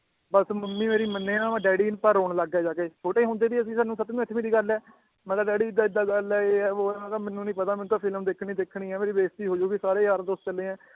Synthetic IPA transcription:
bəsməmːĩːmeːɾiːmənːeːãːãɖɛːɽiːnpəɾɦoːɳləɡɛːd͡ʒaːɡeːt͡ʃʰoːʈeːiːɦʊ̃nd̪eːd̪iːəs̬ĩːsaːnːũːsət̪nũːɪt̪ʰːmiːd̪iːɡəlɛː | mɛ̃ːk̪aːdɛːɽiːɪd̪ːaːɪd̪ːaːɡəlɛːeːɦɛːoːɛːmɛ̃ːt̪aːmɛ̃ːnːũːnĩːpət̪aːmɛ̃ːnũːt̪aːpʰɪlmd̪eːkʰɳiːd̪eːkʰɳiːɛːmeːɾiːʋeːst̪iːɦoːd͡ʒoːɡisaːɾeːɦəɾd̪ost͡ʃəlẽːɛ̃ː

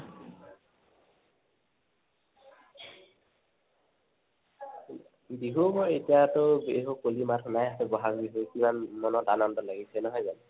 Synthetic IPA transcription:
biɦubɔetijatɔbeɦukolimatʰʊnajasɛbɔɦakbiɦukimanːɔnɔtanɔndɔlaɡisɛnɔɦɔjzan

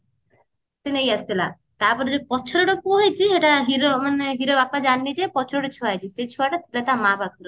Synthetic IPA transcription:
t̪inejast̪ʰila | t̪aɾpɔɾd͡ʑepɔːt͡ʃʰɔɾoʈopoɦet͡ɕʰieʈaɦiɾomaneɦiɾobapad͡ʑanːid͡ʑepɔt͡ʃʰɔɾoʈet͡ʃʰoajt͡ɕʰiset͡ɕʰuaʈat̪ʰilat̪amabʱakɔɾo

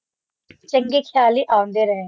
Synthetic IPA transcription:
t͡ʃəŋɡeːkʰjaːliːʔãːõnd̪eːɾəɦẽ

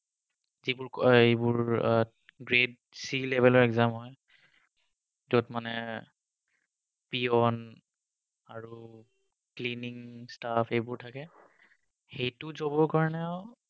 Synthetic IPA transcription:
zibʊɹejbʊɹ | ɡɹed̚ | silɛbʱɛlɔɹɛkzamɦɔj | dotmanɛ | piɔn | aɹu | kliniŋstapʰejbʊɹtʰakɛ | xejtʊzobɔkaɹnɛa

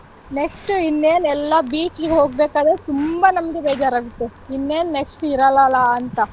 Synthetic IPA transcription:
neksʈinːeːnɛlːɐbiːt͡ʃliɡeɦo̞ːɡ̚beːkaːd̪ɾet̪umbanɐmɐɡebeːd͡ʒaːɾaːɡut̪ːeinːeːnneksʈiɾɐlaːlaɐnt̪ɐ

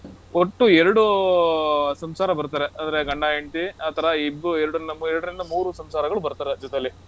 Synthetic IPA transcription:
oʈːuɛɾɐɽu | sɐmsaːɾɐbɐɾt̪aːɾeʔɐnd̪ɐɾe̞ɡɐɳɖaːjeɳt̪iɐːt̪ʰɐɾɐibueɾɐɽunːɐmuɛɾɐɽɐɾind̪ɐmuːɾusɐmsaːɾɐɡɐɭubɐɾt̪aːɾed͡ʒɔt̪eɐlːi

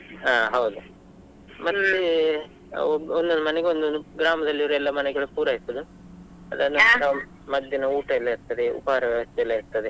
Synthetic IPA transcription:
aːɦɐwud̪u | mɐd̪ɐlːe | bond̪onumɐnɛɡeond̪ouɡɾaːmɐd̪ɐlːiʋɐɾuɛlːɐmɐnɛɡɐɭupuːɾɐisɐd̪u | ɐ̰d̪ɐnɐnɐ | mɐd̪jɐnɐuːʈɐilːɐiɾt̪ɐd̪eṵpaːɾɐʋjɐʋɐst̪ɛɐlːɐiɾt̪ɐd̪e

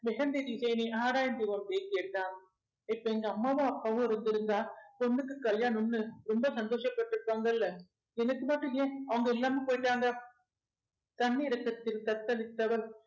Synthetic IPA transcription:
mɛɣɐnd̪eɾisɐːniʔaːɾaːjɐnd̪ɪʋɐmpeːkeːʈːaːn | ɪpːɐɛŋɡɐɐmːaːʋɐ̃ɐpːaːʋõːɪɾɯnd̪ɪɾɯnd̪aːpɔnːɯkːɯkɐɭjaːnʊnːɯɾɔmbɐsɐnd̪oːʂɐpːɐʈːrɯpːaːŋɡɐɪlːɐ | ɛnɐkːɯmɐʈrɯ̃jeːɐʋɐŋɡɐɪlːaːmepoːjɪʈːaːŋɡɐ | t̪ɐnːiɪɾɐkːɐt̪ːɪlkɐt̪ːɐlɪt̪ːɐʋɐl

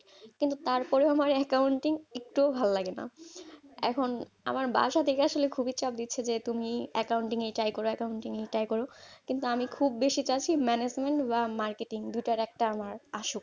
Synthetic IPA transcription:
kint̪ut̪aɾpɔɾeamaɾɛkawɳʈiŋek̚ʈuobʱalolaɡena̰ | ɛ̰kʰon | a̰maɾba̰ʃat̪ʰekeaʃolekʰubʱit͡ɕap̚d̪itːɕʰed͡ʑet̪umiɛkauɳʈiŋejʈajkɔɾoɛkawɳʈiŋejʈajkɔɾokint̪uamikʰubːeʃit͡ɕat͡ɕʰimɛned͡ʑmeɳʈbamaɾkeʈiŋd̪ujʈaɾɛk̚ʈaamaɾaʃok

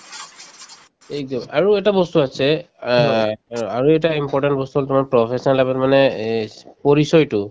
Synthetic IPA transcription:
ɛk̚dɔmaɹuɛtabɔstuasʰɛ | aɹuɛtaimpɔɹtantbɔst̪uɦɔltumanpɹɔpʰesɔnalabɛtmanɛ | poɹisɔjtʊ

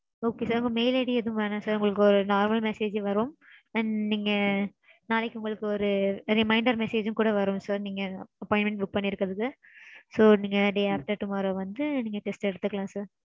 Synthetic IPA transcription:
oːkeːsaːɾʊŋɡɐmeɪleɽiɛðɯ̃mʋɐːnãːsaːɾʊŋɡɐɭɯkːɯɔɾɯnaːɾmɐlmɛseːd͡ʒʋɐɾomɐnniːŋɡɐ | naːlɛkʲːɯʊŋɡɐɭɯkːɯɔɾɯɾɪmɐɪɳɖɐɾmɛseːd͡ʒɯ̃kuːɽɐʋɐɾʊmsaːɾniːŋɡɐɐpɔːɪɳʈmɛ̃ɳʈ̚bʊk̚pɐɳːɪɾɯkːɾɐðɯkːɯ | soːniːŋɡɐɖeːaːp̚ʈɐʈʊmaːɾɐʋɐnd̪ɯniːŋɡɐʈɛsʈɛɽɯt̪ːɯkːɐɭãːsaːɾ

